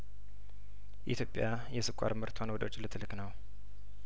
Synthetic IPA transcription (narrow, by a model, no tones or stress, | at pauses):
ʔḭt̪ʰjo̞pʼːja | jɛsɨkʷʼːa̰ɾmɨɾt̪ʰonwɔd̪əwot͡ʃːʼlɨt̪ʰːlɨkʼnəw